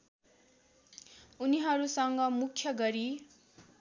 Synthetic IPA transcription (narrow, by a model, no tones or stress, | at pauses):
uniɦʌɾusʌŋɡʌmukʰːjʌɡʌɾi